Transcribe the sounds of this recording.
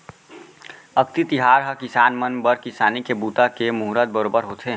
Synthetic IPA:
əkt̪it̪iɦaːɾɦəkisaːnmənbəɾkisaːnikebut̪akemuɦɾət̪̚bəɾoːbəɾɦot̪ʰe

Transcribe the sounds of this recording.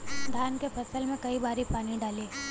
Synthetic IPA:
d̪ʱaːnkefʰɐsəlmẽkɐibaːɾipaːniɖaːleː

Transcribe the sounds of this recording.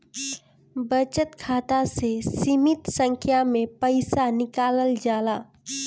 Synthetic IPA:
bət͡ʃət̪kʰat̪asesimit̪sə̃ŋkʰjamepəɪsanɪkaːləld͡ʒaːla

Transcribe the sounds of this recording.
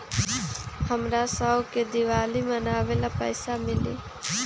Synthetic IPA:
həmɾaːsaoked̪iʋaːliːmənaːʋelaːpəjsaːmɪlḭː

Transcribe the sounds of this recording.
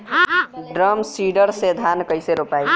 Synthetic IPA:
ɖɾəmsiɖəɾsed̪ʱankəjseɾopaj

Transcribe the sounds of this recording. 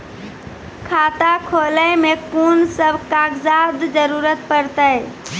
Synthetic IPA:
kʰat̪akʰoləmekunsəbʱkaɡzad̪d͡ʒəɾuːɾət̪̚pəɾt̪əj

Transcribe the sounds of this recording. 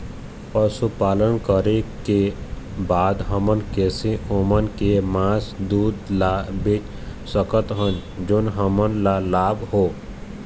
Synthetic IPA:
ɔsupaːlənkəɾeke | baːd̪ɦəmənkɛːseʔomənkemãːsd̪uːd̪labet͡ʃ | səkət̪ɦənd͡ʒʊnɦəmənlalaːbɦoː

